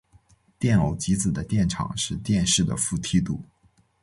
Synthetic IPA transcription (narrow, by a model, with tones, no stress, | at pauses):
t̪jɛ˥˩no˨˩ʊt͡ɕi˧˥t͡sɹ̩˨˩d̪ə˦t̪jɛ˥˩nʈ͡ʂʰɑ̰˨˩ŋʂɻ̩˥˧t̪jɛ˥˧nʂɻ̩˥˩d̪ə̰˩fu˥˩t̪ʰi˥t̪u˨˩˦